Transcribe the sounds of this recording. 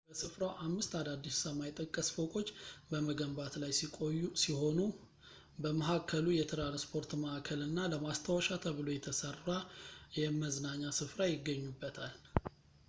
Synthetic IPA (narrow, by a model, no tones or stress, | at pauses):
bəsɨfɾawʔamːɨst̪ad̪ad̪ːissamajt̪ʼːəkʼːəsfokʼo̞t͡ʃːbəməɡəmbat̪lajsikʼojːusiho̞nu | bəməɦakʰːəlujɛt̪ʰɾanspʰo̞ɾt̪məʔakʰəlɨnːaləmast̪ʰawəʃat̪ʰəβɨlo̞jɛt̪ʰəsərajɛməznaɲːasɨfɾajɪɡːəɲːubːət̪ʰal